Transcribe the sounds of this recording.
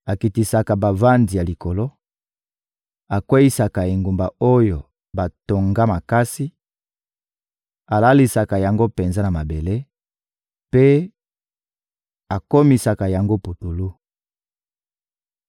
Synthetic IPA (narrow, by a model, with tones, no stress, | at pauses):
a˨ki˨ti˨sa˨ka˨ba˨va˦ndi˨ja˨li˨ko˨lo˦ | a˨kwe˦ji˦sa˨ka˨e˨ŋɡu˨mba˨o˦jo˨ | ba˨to˨ŋɡa˦ma˨ka˦si˦ | a˨la˦li˨sa˨ka˨ja˨ŋɡo˦pe˨nza˦na˨ma˨be˨le˦ | pe˦ | a˨ko˦mi˨sa˨ka˨ja˨ŋɡo˦pu˨tu˨lu˦